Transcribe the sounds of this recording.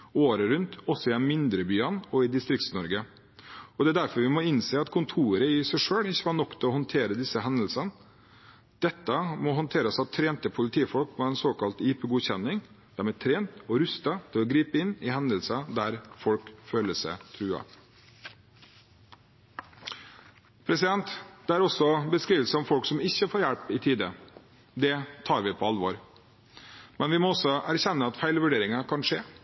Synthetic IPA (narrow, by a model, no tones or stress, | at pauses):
oːɾəɾʉnt̪ɔsːɔɪd̪ɛnmɪnd̪ɾəbyːɑnɔɪd̪ɪst̪ɾɪk̚t̪snɔɾɡə | ɔd̪ɛæd̪æɾfɔɾʋɪmɔɪnseːɑt̪kʰʊnt̪ʰuːɾəɪɪsæɪʂøːɽɪçːəhɑɳɔkt̪ʰɪlɔhɔnt̪ʰeːɾəd̪ɪsːəɦɛnd̪əlsɑn | d̪̥ɛt̪ːəmɔɦɔnt̪ʰeːɾəsɑt̪ʰɾeːnt̪əpʰʊlɪt̪ʰiːfɔlkmɛɛnsoːkɑlt̪iːpəɡuːçɛnːɪŋ | d̪̥æɾmɛt̪ʰɾeːnt̪ɔɾʉst̪ɑt̪ʰɪlɔɡɾiːpəɪnɪhɛnd̪əlsɑd̪æɾfɔlkføːləsə̰t̪ʰɾʉːɑ̰ | pʰɾɛsɪd̪ɛnt̪d̪̥ɛæɾɔsɔbəskɾiːʋəlsəɔmfɔlksɔmɪçːəfoːɾjæɽpɪt̪ʰiːd̪ə | d̪ɛt̪ʰɑːɾʋɪpʰɔɑlʋoːɾ | mɛnʋɪmɔɔsɔæɾçɛnːəɑt̪fæɪlʋʉɖeːɾɪŋɑkʰɑnʂeː